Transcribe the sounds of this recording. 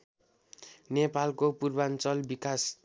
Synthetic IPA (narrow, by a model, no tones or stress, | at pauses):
nepalkopurbant͡sʌlbikas